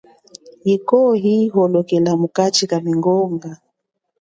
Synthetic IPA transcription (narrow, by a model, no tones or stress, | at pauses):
ikɔɦiɦɔlɔkɛlamukat͡ʃikamiŋɡɔŋɡa